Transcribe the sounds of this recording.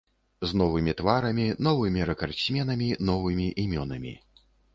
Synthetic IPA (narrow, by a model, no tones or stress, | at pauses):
znɔvɨmʲit̪vaɾɐmʲinɔvɨmʲiɾɐkɐrsʲmʲɛnɐmʲinɔvɨmʲiʔimʲɔnɐmʲḭ